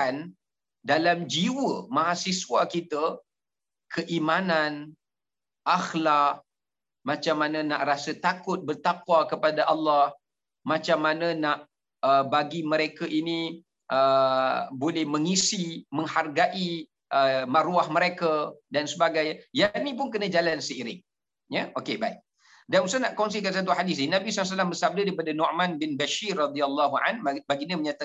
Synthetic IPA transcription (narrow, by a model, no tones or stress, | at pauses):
an | dalamd͡ʒiwəmaɦasiswakit̪ə | kʰəʔimanan | ʔaxlak̚ | mãt͡ʃamːanə̃naʔrasət̪akʊt̪̚bərt̪akwakəpadaʔɑlːɑh | mãt͡ʃamːanənaʔ | əbaɡiməɾekaʔini | ʔə | bolɛhməŋisimə̃ŋharɡaʔi | ʔəmaɾuahməɾekədansəbaɡajjanĩp̬ʊnkənãd͡ʒalansəiɾɪŋ | jəokebaɪk̚ | danusanaʔkɔŋs̬ikans̬at̪̬uɦadisinãbisɔls̬alambəsab̚dədaipadanɔʔmãnbɪnbaʃirːɑd̪ialːaɦuʔa̰nbaɡiɲəməɲat̪a